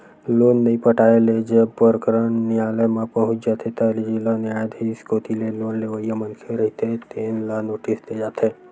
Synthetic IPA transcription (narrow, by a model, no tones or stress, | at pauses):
loːnːɐɦĩpəʈaːeled͡ʒebpəɾəkɾənːialəmãpəɦʊ̃t͡ʃd͡ʒaːt̪ʰet̪alid͡ʒilaniajd̪ʱiskot̪ileloːnleʋəjəmənkʰeɾəɦit̪et̪eːnlanoːʈist̪ed͡ʒaːt̪ʰe